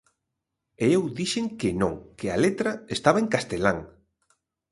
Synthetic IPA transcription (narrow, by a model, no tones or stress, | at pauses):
eewðiʃeŋkɪnõŋkɪa̰let̪ɾɐest̪aβɐeŋkast̪elaŋ